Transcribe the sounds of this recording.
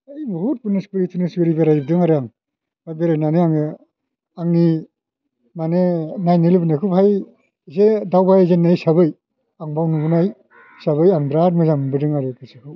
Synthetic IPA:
ajbuɦut̚punɯspɯɾitʰunɯskɯɾibeɾajbdɯŋaɾɯjaŋ | bajbeɾajnaneaŋɯ | aŋni | manenajnelibɯnɯkʰupʰaj | zedawbajzenajsaβɯj | aŋbawnubunaj | saβɯjaŋbɾaɾmɯzambɯdɯŋaɾɯkʰɯsikʰɯ

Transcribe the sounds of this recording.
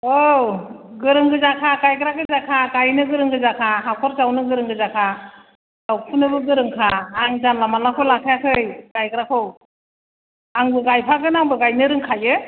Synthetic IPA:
o | ɡɯɾɯŋɡɯzakʰakajkɾaɡɯzakʰakajnɯɡɯɾɯŋɡɯzakʰaɦakʰɔɾzawnɯɡɯɾɯŋɡɯzakʰa | zawpʰɯnɯbɯɡɯɾɯŋkʰaːŋzanlamanakʰɯlakʰajakʰɯjkajkɯɾakʰɯw | aŋbɯɡajpʰaɡɯnaŋbɯɡajnɯɾɯŋkʰajɯ

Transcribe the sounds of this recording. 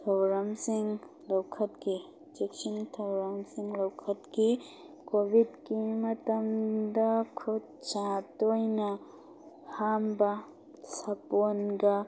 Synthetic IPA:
tʰɐwɾɐmsiŋ | lɐwkʰɐtki | d͡ʒeksintʰɐwɾɐmsiŋlɐwkʰɐtki | kobʱidkimɐt̪ɐmd̪ɐkʰod̚t͡ʃatojnɐ | hambɐ | sɐponɡɐ

